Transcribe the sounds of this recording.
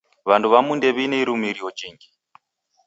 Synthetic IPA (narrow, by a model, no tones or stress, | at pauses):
βantʰuβamundɛβinɛiɾumiɾiɔd͡ʒiːŋɡi